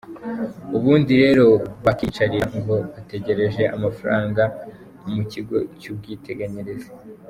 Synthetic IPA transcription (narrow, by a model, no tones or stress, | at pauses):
uβuːndiɾe̞ːɾo̞βakiːt͡ʃaɾiɾaŋɡo̞βate̞ɟe̞ɾe̞ʒe̞ʔa̰mafaɾaːŋɡa | umuciɡo̞cub̚ɡiːte̞ɡaɲeɾeze